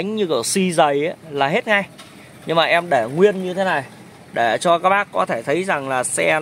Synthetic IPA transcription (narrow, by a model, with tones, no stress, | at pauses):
ŋ̟ɲɨ˧kɨ˧˩əsi˧zə˨˩jʔa˨˦laː˨˩ɦe˦˥t̚ŋa˧j | ɲɨ˧ŋmaː˨˩ʔɛ˧mɗe˧˩ŋwi˧ənɲɨ˧t̪ʰe˨˦na˨˩j | ɗe˧˩t͡ɕɔ˧kaː˦˥k̚ɓaː˦˥kkɔ˨˦t̪ʰe˧˩t̪ʰə˨˦jza˨˩ŋlaː˨˩sɛ̰˧